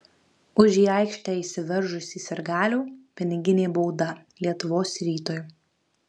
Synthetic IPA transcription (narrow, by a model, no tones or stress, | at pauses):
ʊʒʲiːɑˑɪkʃʲt̪ʲɛːɪsʲɪʋʲɛɾʒʊsʲiːsʲɛɾɡɑːlʲuːpʲɪnʲɪɡʲɪnʲeːbɔʊd̪ɐlʲiɛt̪ʊʋoːsɾʲiːt̪oːj